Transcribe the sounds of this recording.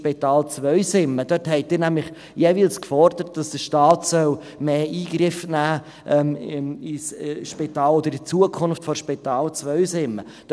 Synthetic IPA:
pit̪ɑːlt͡sʋœʏsɪmːəd̥œtɦɛɪt̚d̥ɪːɾnæmlɪχ | jeːviːlskfɔɾd̪əɾət̚d̥ɑsd̥əʃtɑːtsœl | meːiːɡɾɪfnæː | ʔɛmisʃpit̪ɑːloːd̪əɾɪdt͡suəkʰʊnftfɔɾʃpitɑːlt͡svœɥsɪmːə | d̥

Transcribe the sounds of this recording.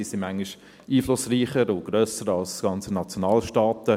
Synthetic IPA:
isɪnmæŋiʃ | iːflʊsriːχəɾʊɡ̥ɾøsəɾɑlsɡ̥ɑnt͡sənɑt͡sjonɑːlʃtɑːt̪ə

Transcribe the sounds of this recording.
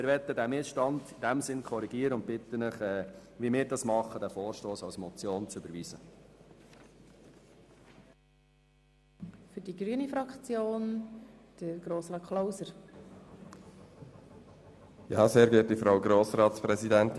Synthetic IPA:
mɪɾʋɛt̪ːədæmɪsʃtɑnd̪ɪd̥æmsɪnkʰɔɾiɡiəɾəʊnt̚b̥ɪt̪ːənəχɛːʋimɪːɾdɑsmɑχːəd̪æfoːɾʃtoːsɑwsmɔt͡sjoːnt͡sʏbəɾʋiːzə | fʏdiɡɾyənifɾɑkt͡sjoːnd̥əɡ̥ɾoːsɾɑːtkʰlowsəɾ | jɑːseːɾɡɛːt̚d̥ifɾawɡɾoːsɾɑːt̪spɾɛsid̪ænt̪

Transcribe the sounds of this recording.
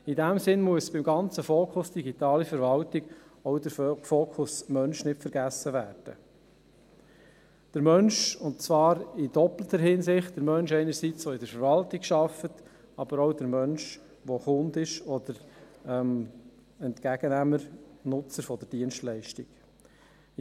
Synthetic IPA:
idæmsɪnmuəsb̥ɪmɡɑnt͡səfoːkʰʊsd̥iɡit̪ɑːlifəɾvɑltɪɡɔʊdəɾfoːkʰʊsmœnʃnɪtfəɾɡæsəʋæːrd̥ə̰ | d̥əɾmœnʃʊntt͡sʋɑːɾɪdɔplətəɾhɪnsɪχtd̥əɾmœnʃɛɪnəɾsit͡sɔɪdəɾfəɾvɑltɪkʃɑfət | ɑb̥əɾɔʊd̥əɾmœnʃ | ʋoχʊnd̪ɪʃɔd̥əɾɛm | ɛntkæɡ̥ənæməɾnʊt͡səɾfɔd̥əɾdiənʃtlɛɪʃtɪɡ̥

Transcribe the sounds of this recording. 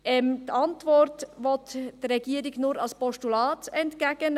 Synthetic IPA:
ʔɛmdɑntvɔrtʋɔtd̥əɛɡiːəɾɪɡnuɾɑlspɔʃtulɑːtɛntkɛɡ̥ən

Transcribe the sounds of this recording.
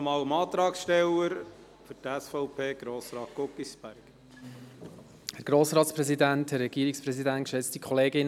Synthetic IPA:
mɑːwəmɑːt̪ɾɑːksʃtɛwəɾ | fʏɾtæsfɔʊpʰeːɡ̥ɾoːsɾɑːt̚kɔkːisb̥æɾk | hæɾɡ̥ɾoːsɾɑːtspɾɛsidænthærːɛɡ̥iːɾikspɾɛsidæntkʃɛt͡stikʰɔleːɡɪn

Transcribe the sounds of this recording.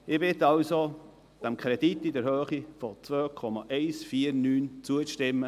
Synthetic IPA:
ɪbɪt̪ɑlso | d̪̥ɛmkʰɾɛd̥itːidɛɾhøːχifɔt͡svøːkʰɔmɑʔɛɪsfiːəɾnyːnt͡suəʃtɪmːə

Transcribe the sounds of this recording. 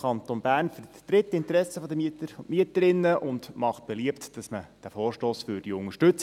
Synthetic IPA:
ɑnt̪onbæːrnfəɾttɾɪtːɪnt̪əɾɛsəfɔd̪əmiətəɾfomiətəɾɪnːəʔʊndmɑχt̚b̥eliəptd̥ɑsməd̥æfɔːrʃtoːsfʏɾd̥iʊŋəʃtɵt͡s

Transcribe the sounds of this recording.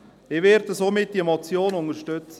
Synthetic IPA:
ɪʋɛːɾd̪əsoːmɪt̚d̥iəmɔt͡sjoːnʊŋəɾʃtøt͡sə

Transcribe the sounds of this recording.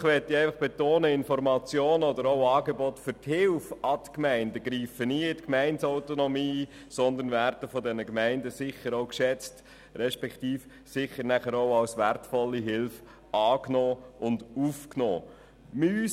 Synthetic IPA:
χʋɛt̪ːiæɪfɑχb̥et̪oːnəɪnfɔɾmɑt͡sjoːnəɔd̪əɾɔʊɑːɡebɔtfʏɾthɪlfɑt̪kmæɪndəɡ̥ɾiːfəniɪtkmæɪntsaʊtonɔmiː | sɔnd̪ənvæɾdəfɔdɛnəkmæɪndəsɪχəɾoʊkʃɛt͡st | ɾɛʃpɛktiːf | sɪχəɾnæχəɾoʊɑwsʋærtfɔlːiɦɪlf | ɑːknɔːʊndufknɔ̰ː | my

